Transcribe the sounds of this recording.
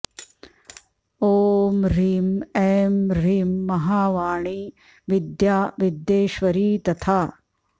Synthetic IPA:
oːmɾiːmemɾiːmːɐɦaːʋaːɳiː | ʋid̪jaːʋid̪jeːʃʋɐɾiːt̪ɐt̪ʰaː

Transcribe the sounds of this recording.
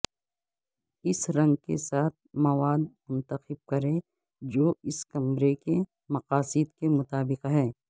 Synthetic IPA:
ɪsɾɐ̃ŋɡ̚kḛsaːt̪̚ʰmɐʋaːd̪̚mʊ̃nt̪əxɪb̚kɐɾẽ | d͡ʒoːɪskɐmɾeke | mɐqaːsɪd̪kemʊt̪aːbɪqɦɛː

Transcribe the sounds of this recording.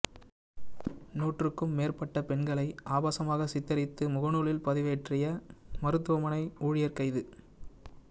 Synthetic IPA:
nuːʈrɯkːɯmːeːrpɐʈːɐpɛɳɡɐɭɐɪʔaːbaːsɐmaːɣɐsɪt̪ːɐɾɪt̪ːɯmʊɣɐnuːɭɪlpɐðɪʋeːʈrɪjɐmɐɾɯt̪ːɯʋɐmɐnɐɪuːɻɪjɐɾkɐɪðɯ

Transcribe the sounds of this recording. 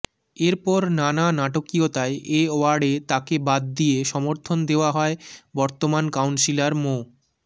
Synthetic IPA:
eɾpɔɾnananaʈokiot̪aeʔeoaɖet̪akebad̪̚ːieʃɔmoɾt̪ʰond̪eoaɦɔebɔɾt̪omankawnsilaɾmo

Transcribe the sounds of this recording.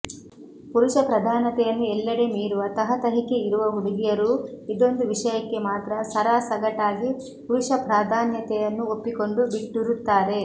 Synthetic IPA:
puɾuʂɐpɾɐd̪ʱaːnɐt̪ɛjɐnːuɛlːɐɾe̞miːɾuʋɐt̪ɐɦɐt̪ɐɦike̞iɾuʋɐɦuɽiɡijɐɾuid̪o̞nd̪uʋiʂɐjɐkːe̞maːt̪ɾɐsɐɾaːsɐɡɐʈaːɡi | puɾuʂɐpɾaːd̪ʱaːnjɐt̪ɛjɐnːuopːiko̞ɳɖubiʈːuɾut̪ːaːɾe̞

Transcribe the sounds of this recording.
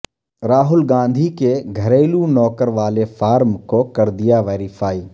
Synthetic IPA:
ɾaːɦʊlɡãːnd̪ʱikeɡʱɐɾeːlunɔːkəɾʋaːlefaːɾmkokɐɾd̪ijaʋeːɾifaːiː

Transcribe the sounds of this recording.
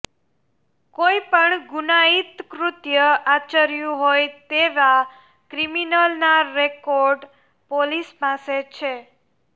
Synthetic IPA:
koipəɳɡunait̪kɾut̪jəat͡ʃəɾjũɦojt̪eʋa | kɾiminəlnaɾekoɾɖ | polispaset͡ʃʰe

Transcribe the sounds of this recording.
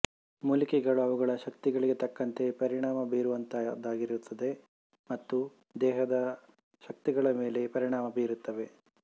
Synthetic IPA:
muːlikɛɡɐɭuɐʋuɡɐɭɐʃɐk̚t̪iɡɐɭiɡe̞t̪ɐkːɐnt̪e̞pɐɾiɳaːmɐbiːɾuʋɐnt̪ɐd̪aːɡiɾut̪ʰːɐd̪e̞ | mɐt̪ːu | d̪ɛːɦɐd̪ɐ | ʃɐk̚t̪iɡɐɭɐme̞ːle̞pɐɾiɳaːmɐbiːɾut̪ːɐʋe̞

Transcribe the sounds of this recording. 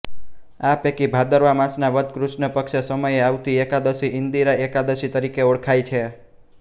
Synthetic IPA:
apekibʱad̪əɾʋamãsnaʋəd̪kɾuʃnəpəkʃəsəməjeaʋt̪iekad̪əsiɪnd̪iɾaekad̪əʃit̪əɾikeoɽkʰajt͡ʃʰe

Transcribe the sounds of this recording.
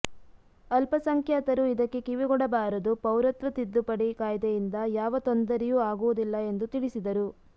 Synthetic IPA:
ɐlpɐsɐŋkʰjaːt̪ɐɾuid̪ɐkːe̞kiʋiɡɔɽɐbaːɾɐd̪upɐwɾɐt̪ɾɐt̪id̪ːupɐɽikaːjd̪ejind̪ɐjaːʋɐt̪ond̪ɐɾɛjuːaːɡuʋud̪ilːɐe̞nd̪ut̪iɭisid̪ɐɾu

